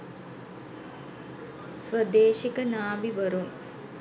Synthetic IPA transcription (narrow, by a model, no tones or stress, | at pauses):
sʋəd̪eːʃikənaːʋiʋɐɾum